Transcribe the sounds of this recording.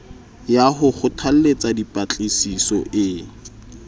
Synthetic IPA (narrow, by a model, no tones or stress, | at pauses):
jaɦʊχʊtʰal̩let͡sadipʼat͡ɬʼesisɔʔɪ